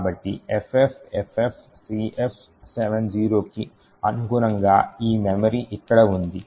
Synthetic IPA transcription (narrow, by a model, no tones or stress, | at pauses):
aːbɐʈːiepʰepʰepʰepʰ | siːʔepʰ | seʋend͡ʒiːɾoːki | ɐnuɡuːɾɐŋɡaːiːmemɐɾiʔikːɐɽɐund̪i